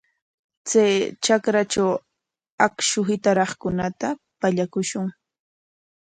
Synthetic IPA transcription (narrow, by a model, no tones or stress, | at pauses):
t͡sajt͡ʃakɾat͡ʃaw | akʃʊɦɪt̪aɾɑχkʊnat̪a | paʎakʊʃʊŋ